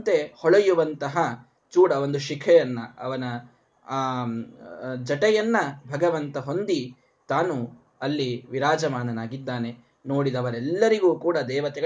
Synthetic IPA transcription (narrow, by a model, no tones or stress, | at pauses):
t̪e̞hɔɭɐjuʋɐnt̪ɐɦɐ | t͡ʃuːɽɐʋo̞nd̪uʃikʰɛjɐnːɐɐ̰ʋɐnɐ | d͡ʒɐʈɛjɐnːɐbʱɐɡɐʋɐnt̪ɐɦo̞nd̪i | t̪aːnu | ɐlːiʋiɾaːd͡ʒɐmaːnɐnaːɡid̪ːaːne̞ | no̞ːɽid̪ɐʋɐɾɛlːɐɾiɡuːkuːɽɐd̪ɛːʋɐt̪ɛɡɐ